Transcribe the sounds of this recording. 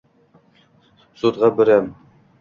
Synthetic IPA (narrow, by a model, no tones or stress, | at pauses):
sut̪ʁɑbɘ̆ɾæm